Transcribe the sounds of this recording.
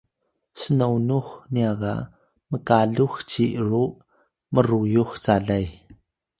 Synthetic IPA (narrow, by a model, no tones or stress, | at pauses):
sənownuxniaɣa̰ʔ | məkaɮuxt͡siʔɾuʔ | məɾujuxt͡saɮɐj